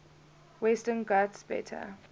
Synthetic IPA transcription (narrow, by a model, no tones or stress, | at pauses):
wɛstənɡatsb̥ɛ̰tʰə̰